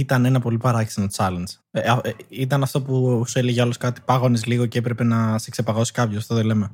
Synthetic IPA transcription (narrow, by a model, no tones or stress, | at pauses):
it̪ɐnenɐpo̞lipɐɾɐci̥sinot͡sɐlɐnz̥ | eɐit̪̬ɐnɐft̪opuseliʝɐloskɐt̪i̥pɐɣo̞nezliɣo̞ceepɾepe̞nɐsekse̞pɐɣo̞si̥kɐpçosɐft̪oðole̞me